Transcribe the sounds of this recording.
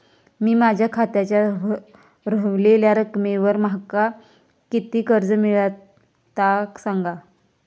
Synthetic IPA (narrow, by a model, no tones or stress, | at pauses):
miːmad͡ʑʱjakʰat̪jat͡ɕja | ɾəʋleljaɾəkmeʋəɾmɦaka | kit̪iːkəɾd͡zəmiɭa | t̪aksaŋɡa